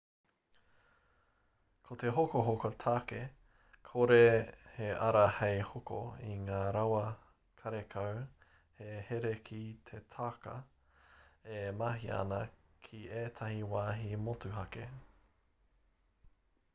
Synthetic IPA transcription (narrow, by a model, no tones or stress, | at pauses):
kʰoteɦokoɦokot̪ʰake | kʰoɾeheɐɾɐhejhoko̰iŋaːɾɐwɐ | kʰɐɾekʰɐw | heheɾekʰit̪ʰetʰakɐ̰ | emɐɦiɐ̰nɐkʰieːtʰɐhiwaːɦimotuɦɐke